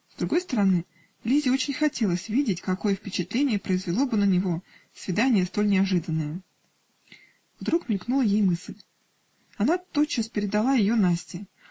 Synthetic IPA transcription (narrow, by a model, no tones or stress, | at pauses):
zd̪ɾʊɡo̞jst̪əɾɐnɨ | lʲizʲɪo̞t͡ɕɪnʲxɐtʲe̞lˠəsʲvʲidʲɪtʲkɐko̞jəfʲpʲɪt͡ɕɪt̪lʲenʲɪjəpɾəɪzvʲɪlˠo̞bɨnənʲɪvo̞ | svʲɪd̪anʲɪjəst̪o̞lʲnʲɪɐʐɨd̪ənːəjə | vd̪ɾukmʲɪlʲknulˠəjejmɨslʲ | ɐnat̪o̞t̪̚t͡ɕːaspʲɪɾʲɪd̪ɐlˠajɪjo̞nasʲtʲɪ